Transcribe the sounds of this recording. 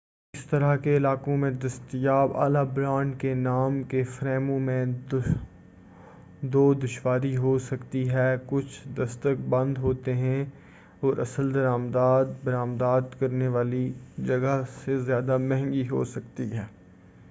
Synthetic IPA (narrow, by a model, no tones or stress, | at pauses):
ɪst̪ɐɾakeɪlaːkõmẽd̪ɐst̪ijaːba̰ːlabɾãːɳɖkenaːmkefɾɛːmõmẽ | d̪oːd̪ʊʃwaːɾiɦosɐkt̪iɦɛːkʊt͡ʃʰd̪ɐst̪ək̚bɐ̃nd̪ɦoːt̪eɦɛ̃ | ɔːɾʔɐsəld̪ɐɾaːmd̪aːd̪̚bɐɾaːmd̪aːd̪kɐɾneʋaːlid͡ʒɐɡasezjaːd̪amɛ̃ɦɛ̃ŋɡiɦo̰sɐkt̪iɦɛː